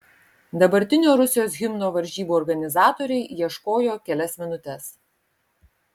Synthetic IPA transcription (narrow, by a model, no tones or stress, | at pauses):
d̪ɐbɐɾʲt̪ʲɪnʲoːɾʊsʲɪjoːsɣʲɪmnoːʋɐɾʲʒʲiːbuːɔːɾɡɐnʲɪzɑːt̪oːɾʲɛɪjiɛʃkoːjoːkʲɛlʲɛsmʲɪnʊt̪ʲɛs